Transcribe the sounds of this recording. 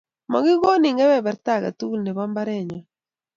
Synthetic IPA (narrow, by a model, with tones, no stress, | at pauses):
mɔ̰˨ɡɪ˦ɡo˦nɪ˨ŋɡɛ˦wɛ˦˨bɛ˨ɾt̪a˦˨ɡa̰˨t̪u˦lnɛ˨ba˦mba˦ɾɛ˦˨ɲɔ˨